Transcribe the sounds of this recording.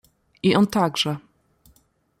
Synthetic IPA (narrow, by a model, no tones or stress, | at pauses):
ʔiʔɔnt̪aɡʐɛ